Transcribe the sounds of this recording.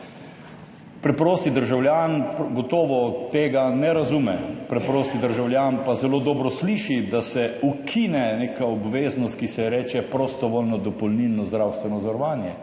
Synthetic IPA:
pɾɛpɾoːst̪id̪əɾʒawljaːnɡɔt̪ɔːʋɔt̪eːɡanɛɾazumɛpɾɛpɾoːst̪id̪əɾʒawlʲjaːnpazɛloːd̪ɔːbɾɔsliːʃid̪asɛukʰinɛnekaɔbʋeːznɔst̪̚kisɛɛɾɛːt͡ʃɛpɾɔst̪ɔʋoːlnɔd̪ɔpɔlnilnːɔzd̪ɾawst̪ʋɛnɔzɔɾɔʋaːnjɛ

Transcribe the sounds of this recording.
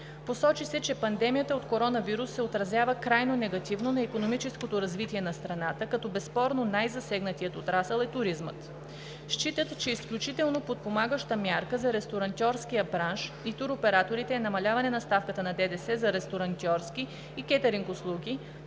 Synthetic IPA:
posɔt͡ʃisɛt͡ʃɛpɐnd̪ɛmijət̪əot̪koɾɔnɐviɾusːɛot̪ɾɐzjavəkɾajnonɛɡɐt̪ivnonɐikonomit͡ʃɛskot̪oɾɐzvit̪iɛnɐst̪ɾɐnat̪əkɐt̪ɔbɛspɔɾnonajzɐsɛɡnɐt̪ijət̪ot̪ɾasəlˠɛt̪ʊɾizmə̰t̪ | ʃt͡ʃit̪ət̪t͡ʃɛisklʲut͡ʃit̪ɛlˠnopot̪̚pomaɡəʃt̪əmʲjaɾkəzɐɾɛst̪oɾɐnt̪ʲɔɾsk̟ijəbɾanʃ | it̪uɾopɛɾat̪oɾit̪ɛːnɐmɐlʲavɐnɛnɐst̪afkət̪ənɐd̪ɛd̪ɛsɛzɐɾɛst̪oɾɐnt̪ʲjɔɾsk̟iː | kʲɛt̪ɐɾiŋkʊslˠuɡʲi

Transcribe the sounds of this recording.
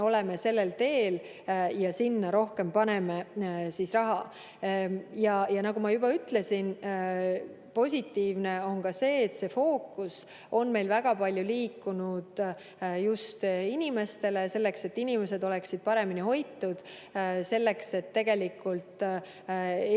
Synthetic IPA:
o̞le̞me̞se̞lːe̞lt̪e̞ːl | jɑsinːɑɾo̞hke̞mpɑne̞mesisrɑɦɑ | jɑjɑnɑɡ̥umɑjubɑyt̪ːle̞sin | po̞sʲit̪ːiːvne̞o̞nkɑse̞ːt̪se̞fo̞ːkːˑus | ʔo̞nme̞jlvæɡ̥ɑpɑlʲjuliːkːˑunud̪̥ | just̪inʲime̞st̪e̞le̞se̞lːe̞kse̞t̪ːinime̞se̞d̪o̞leksid̪̥̚pɑɾe̞miniɦo̞jt̪ːˑud̪̥ | se̞lːe̞kse̞t̪ːe̞ɡ̥e̞likːˑult̪

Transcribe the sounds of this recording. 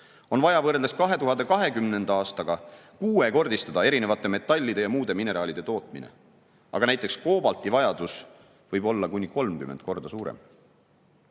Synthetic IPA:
o̞nvɑjɑvɤːɾld̪eskɑɦe̞t̪uɦɑnd̪̥e̞kɑɦe̞kymne̞nd̪̥ɑɑːst̪ɑɡ̥ɑkuːe̞ko̞rd̪ist̪ɑd̪̥ɑe̞ɾine̞vɑt̪ːˑe̞me̞t̪ːˑɑlʲːid̪̥e̞jɑmuːd̪e̞mine̞ɾɑːlid̪e̞t̪o̞ːt̪ˑminḛ | ɑ̰ɡ̥ɑnæjt̪ːˑe̞ksko̞ːbɑlt̪ˑivɑjɑd̪̥us | vɤjbo̞lːɑkunʲːiko̞lmkymend̪̥̚ko̞rd̪̥ɑsuːɾḛm

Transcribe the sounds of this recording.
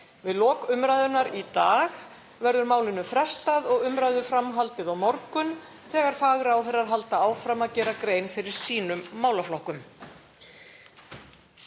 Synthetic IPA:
vɪðlɔːkʏmɾajðʏnaɾit̪aːɣ | vɛɾðʏɾmaːwlɪnʏmfɾɛst̪aðɔɣʏmɾajðʏfɾamɦalt̪ɪðawmɔɾkʏn | θɛːɣaɾ̥faːɣɾawθɛrːaɾ̥ɦal̪t̪aaːwfɾamaðcɛːɾakɾeːjnfɪɾɪɾ̥siːnʏmːaːwlaflɔhkʏm

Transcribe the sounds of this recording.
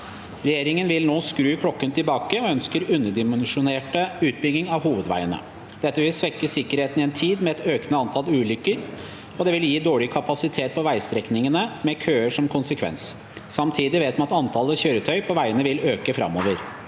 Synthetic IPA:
ɾɛjeːɾɪŋənʋɪlnoːskɾʉːkʰlɔkːənt̪ɪlbɑːkəɔœnskəɾʉnːəɖɪmɛnʂʊneːʈəʉːt̪̚bʏɡ̪ɪŋɑʋhuːʋəd̪ʋæ̰ɪənə̰ | d̪̥ɛt̪ːəʋɪlsʋɛkːəsɪkːəɾheːt̪n̩ɪɛnt̪ʰiːd̪mɛɛt̪øːknəɑnt̪ʰɑlʉːlʏkːəɾ | ɔd̪ɛʋɪljiːd̪oːɭɪkʰɑpɑsɪt̪ʰeːt̪̚pʰɔʋæɪst̪ɾɛknɪŋənəmɛkʰøːəʂɔmkʰʊnsəkʰʋɛ̰ns | sɑmt̪ʰiːd̪ɪʋeːt̪mɑɑt̪ɑnt̪ʰɑləçøːɾət̪ʰœʏpʰɔʋæɪənəʋɪløːkəfɾɑ̰mːo̰ːʋəɾ

